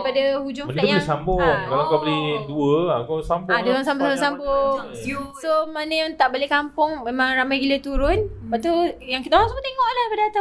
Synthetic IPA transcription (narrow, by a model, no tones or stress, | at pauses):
padahud͡ʒʊŋənajabəlisambɔkalawŋkawbəlihduəakasambʊaduaŋsambosabsambo | somanəjaŋt̪aʔbolehkampʊŋmẽmãŋramajɡilət̪uɾʊnbaʔt̪ujaŋknaaŋsubət̪eŋɔʔlahpadaat̪a